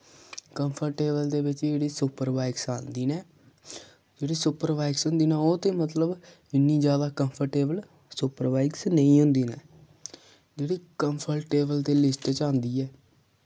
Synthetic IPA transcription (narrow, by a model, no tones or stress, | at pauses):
kəmpʰəɾʈeːbəld̪eːʋɪt͡ʃd͡ʒeːɽiːsʊpəɾbaːɪksãːnd̪iːnɛː | d͡ʒeːɽiːsʊpəɾʋaːɪksɦʊnd̪iːnaːoːt̪eːmət̪ləb | ɪnːiːd͡ʒjaːd̪aːkəmpʰəɾʈeːbəl | sʊpəɾʋaːɪksnəĩːɦʊnd̪iːnɛː | d͡ʒeːɽiːkəmpʰəɾʈeːbəlt̪eːlɪsʈt͡ʃãːnd̪iːɛː